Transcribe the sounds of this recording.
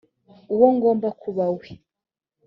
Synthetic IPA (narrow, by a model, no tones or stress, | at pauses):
uwɔŋɡɔmbakuβawi